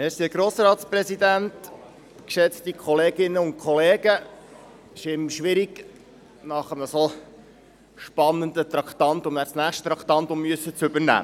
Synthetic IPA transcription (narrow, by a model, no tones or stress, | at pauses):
æːɾsiəɡɾoːsɾɑːt̪spɾɛsid̪ænt | kʃɛt͡stikʰχɔleːɡɪnːəʊnt̚kʰχɔleːɡə | ɪʃɪmʃʋɪɾiɡ | nɑχəməso | ʃpɑnːənd̪ət̪ɾɑkt̪ɑnt̪ʊmnæːsnæːχʃtt̪ɾɑkʰt̪ɑnt̪ʊmːyəsːət͡sɵbəɾnæ̰ː